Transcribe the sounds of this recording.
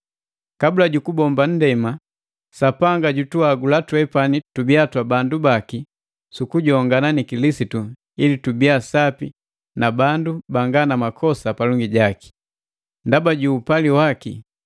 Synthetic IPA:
kabulaɟukubɔmban̩dɛma | sapaŋɡaɟutuaɡulatwɛpanitubiatwabandubaki | sukuɟɔŋɡananikilisitu | ilitubiasapi | nabandubaŋɡanamakʰɔsapalɔŋɡiɟaki̥ | ndabaɟuːpaliwakḭ

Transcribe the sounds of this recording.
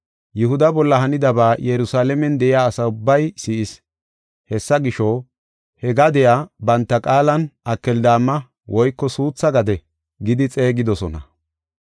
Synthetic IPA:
jʊhʊd̪ɐbɔlːɐɦɐnɪd̪ɐbaːjɛɾʊsaːlɛmɛnd̪ɛʔɪjaːsɐʊbːɐjsiːʔɪs | hɛsːɐɡɪʃɔ | hɛɡad̪ɛjaːbɐnt̪ːɐkʼaːlɐnʔɐkːɛld̪aːmːɐ | wʔɔjkːɔsuːt͡sːɐɡɐd̪ɛ | ɡɪd̪ɪt͡sʼe̞ːɡɪd̪ɔsɔnɐ

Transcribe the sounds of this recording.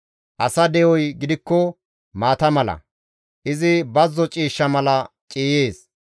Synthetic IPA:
ʔɐsɐd̪ɛʔɔjɡɪd̪ɪkːɔ | maːt̪ɐmɐlɐ̰ | ʔɪzɪbɐzːɔt͡ʃʼiːʃːɐmɐlɐ | t͡ʃʼiːje̞ːs

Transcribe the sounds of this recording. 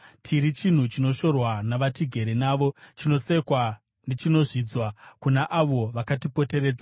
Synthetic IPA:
tʰiɾit͡ʃin̤ut͡ʃino̞ʃo̞rwanaʋatiɡʱe̞ɾenaːʋo̞t͡ʃino̞se̞kwa | ndit͡ʃino̞ʐid͡zwakunaʔaʋo̞ʋakatipo̞te̞ɾe̞ːd͡za

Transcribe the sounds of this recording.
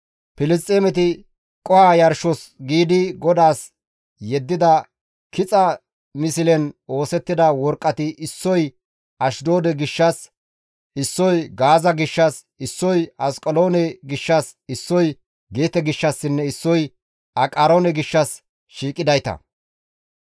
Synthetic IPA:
pɪlɪst̪ʼːeːmɛt̪ɪ | kʼɔhaːjɐɾʃɔsɡiːd̪ɪɡɔd̪aːs | jɛd̪ːɪd̪ɐ | kʰɪt͡sʼɐ | mɪsɪlɛno̞ːsɛt̪ːɪd̪ɐwɔɾkʼːɐt̪ɪʔɪsːɔj | ʔɐʃd̪oːd̪ɛɡɪʃːɐs | ɪsːɔjɡaːzɐɡɪʃːɐs | ɪsːɔjɐskʼɔlo̞ːnɛɡɪʃːɐsɪsːɔj | ɡeːt̪ɛɡɪʃːɐsːɪnːɛɪsːɔj | ɐkʼaːɾoːnɛɡɪʃːɐs | ʃiːkʼːɪd̪ɐjt̪ɐ̰

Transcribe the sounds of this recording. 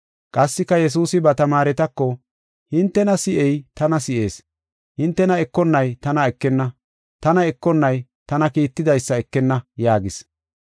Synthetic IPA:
kʼɐsːɪkːɐjɛs̬uːsɪbɐt̪ɐmaːɾɛt̪ɐkːɔ | hɪnt̪ːɛnɐsɪʔɛjt̪ɐnɐsɪʔe̞ːs | hɪnt̪ːɛnɐɛkːɔnːɐjt̪ɐnɐɛkːɛnːɐ | t̪ɐnɐɛkːɔnːɐj | t̪ɐnɐkiːt̪ːɪd̪ɐjsːɐɛkːɛnːɐjaːɡɪs

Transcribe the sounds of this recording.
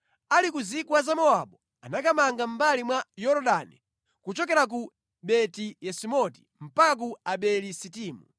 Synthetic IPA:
alikuzikwazamɔaɓɔ | anakamaŋɡam̩balimwajɔɾɔɗanḭ | kut͡ʃɔkɛɾak̬u | ɓɛtijɛsimɔti̥ | m̩pakak̬uaɓɛlisitiːmu

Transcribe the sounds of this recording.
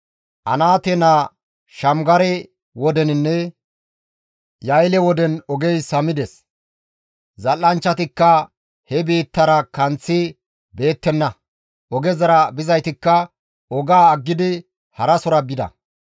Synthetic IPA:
ʔɐ̰naːt̪ɛnaː | ʃɐmɡɐɾɛ | wɔd̪ɛnɪnːɛ | jɐjlɛwɔd̪ɛnɔɡɛjsɐmɪd̪ɛs | zɐlːɐnt͡ʃːɐt̪ɪkːɐ | hɛbiːt̪ːɐɾɐkɐnt͡sːɪ | be̞ːt̪ːɛnːɐ | ʔɔɡɛzɐɾɐbɪzɐjt̪ɪkːɐ | ɔɡaːɡːɪd̪ɪ | hɐɾɐsɔɾɐbɪd̪ɐ̰

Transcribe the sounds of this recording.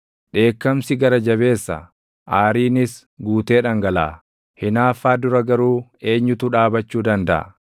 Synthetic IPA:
ᶑe̞ːkːɐmsɪɡɐɾɐd͡ʒɐβe̞ːsːɐ̰ | ʔaːɾiːnɪs | ɡuːt̪e̞ːᶑɐŋɡɐla̰ː | hɪnaːfːaːd̪ʊɾɐɡɐɾuːe̞ːɲːʊt̪ʊᶑaːbɐt͡ʃːuːd̪ɐnd̪ɐ̰ʔɐ̰

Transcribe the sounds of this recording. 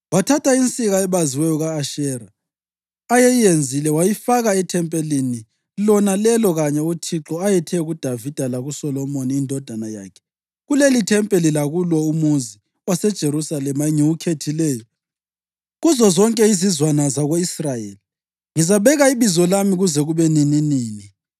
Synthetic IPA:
watʰatʰaint͡sʼiɣaɛβaziwɛjɔɣaːʃɛɾaː | jejijend͡zʱilɛwajifaɣaɛtʰɛmpʼelini | lɔnalɛlɔɣaɲɛutʰiǁɔajɛtʰɛɣud̥ʱavid̥ʱalaɣusɔlɔmoniːndʱɔd̥ʱanaja̰ːkʰɛ̥ | ɣulelitʰɛmpʼelilaɣulwɔumunzʱi | wasɛd̥ʒ̥ʱeɾusalɛmaŋiwukʰetʰilɛːjɔ | ɣuzɔzɔŋkʼɛizizwanazaɣoisrajḛːli | ŋizaβɛɣaiβizɔlamiɣuzɛɣuβɛnininiːni

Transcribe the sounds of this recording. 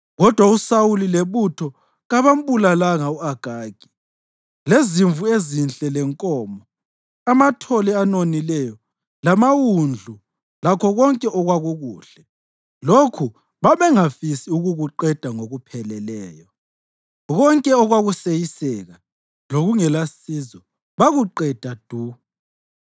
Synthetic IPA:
ɣɔd̥ʱwausawulileβutʰɔ | ɣaβam̩bulalaŋauaɡ̥ʱaːɡ̥ʱi̥ | leziɱvuezint͡ɬʼɛlɛŋkʼɔːmɔ | amatʰɔlɛanonilɛjɔ | lamawund͡ɮʱu | lakʰɔɣɔŋkʼɛʔɔɣwaɣuɣuːɬɛ | lokʰu | βaβɛŋafisiuɣuɣuǃɛd̥ʱaŋoɣupʰɛlɛlɛːjɔ | ɣɔŋkʼɛɔɣwaɣusejisɛɣa | loɣuŋɛlasizɔ | βaɣuǃɛd̥ʱad̥ʱu

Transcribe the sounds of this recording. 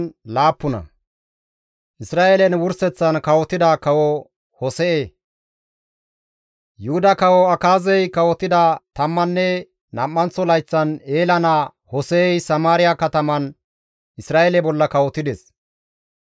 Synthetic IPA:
laːpːʊnɐ̰ | ʔɪsɾaːʔelɛnwʊɾsɛt͡sːɐnkɐwɔt̪ːɪd̪akɐwɔ | hɔsɛʔeː | jʊhʊd̪ɐkɐwɔɐkaːzɛjkɐwɔt̪ɪd̪ɐt̪ɐmːɐnːɛ | nɐmːɐnt͡sːɔlɐjt͡sːɐne̞ːlɐnɐ | hɔsɛːjsɐmaːɾɪjakɐt̪ɐmɐn | ʔɪsɾaːʔelɛbɔlːɐkɐwɔt̪ɪd̪ɛs

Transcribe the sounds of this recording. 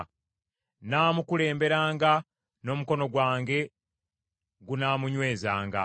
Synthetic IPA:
naːmukule̞ːmbe̞ɾaːŋɡa | no̞ːmuko̞no̞ɡwaːŋɡe̞ | ɡunaːmuɲwe̞ːzaːŋɡa̰

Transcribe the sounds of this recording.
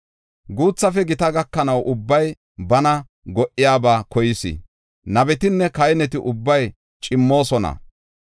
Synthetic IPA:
ɡuːt͡sːɐfɛɡɪt̪ɐɡɐkːɐnɐwʔʊbːɐj | bɐnɐ | ɡɔʔːɪjaːbaːkɔjɪsɪ̰ | nɐbɛt̪ɪnːɛkɐjnɛt̪ɪʔʊbːɐj | t͡ʃʼɪmːo̞ːsɔnɐ̰

